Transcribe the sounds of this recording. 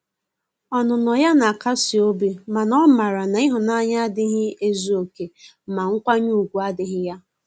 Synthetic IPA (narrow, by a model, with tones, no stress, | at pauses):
ɔ˨nʊ˨nɔ˨ja˦na˨ka˦si˨o˦bi˨ma˨nɔ˦ma˨ɾa˨na˨i˦ɦʊ˨na˦ɲa˦dɪ˦ɦɪ˦e˦zu˨˦o˨ke˨ | ma˨ŋ̩˦kʷa˦ɲu˦˨ɡʷu˨a˦dɪ˦ɦɪ˦ja˦